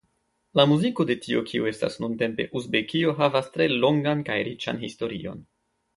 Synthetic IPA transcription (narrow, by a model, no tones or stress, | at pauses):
lamuziko̞de̞tʰio̰kʰiue̞sta̰snunte̞mpe̞̰ʔuzbe̞kio̞ɦavastɾe̞lo̞ŋɡankajɾit͡ʃa̰nɦisto̞ɾio̞̰n